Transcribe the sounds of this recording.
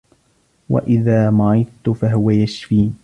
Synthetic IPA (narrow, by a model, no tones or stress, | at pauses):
wa̰ʔɪðaːmaʕɪðt̪ʊfaɦʊwajaʃfiː